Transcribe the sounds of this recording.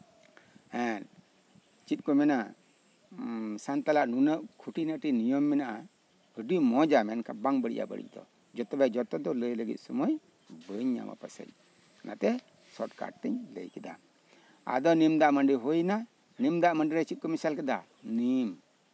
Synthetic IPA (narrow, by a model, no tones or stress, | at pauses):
ɛn | t͡ʃit̪̚kɔmɛna | sant̪alaʔnunəʔ̚kʰuʈinəʈinijɔmːɛnaʔa | əɖimɔd͡ʒamɛnkabaŋbəɽḭʔa̰bə̰ɽḭcd̪ɔ̰ | d͡ʒɔt̪ɔbɛd͡ʒɔt̪ɔd̪ɔləjləɡḭt̪̚ˀsɔmɔj | bəɲɲa̰ma̰pəsə̰c̚ | na̰t̪ɛ | sɔʈka̰ɖ̚t̪ɛɲlə̰jkɛd̪a̰ | a̰d̪ɔnimd̪aʔaməɳɖiɦojna | nimd̪aʔməɳɖiɾɛt͡ʃit̪̚kɔmisalkɛd̪a | nim